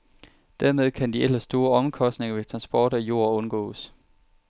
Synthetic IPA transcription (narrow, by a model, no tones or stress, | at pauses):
d̥æɐ̰með̞ˠkʰænd̥ielɐsd̥o̝ːɐɒ̽mkʰɒ̽sd̥ne̝ŋɐʋe̝t͡sʰʁɑ̈nsb̥ɒːɾ̥æjo̝ːɐɔ̽nɡ̥ɔ̰̽ːs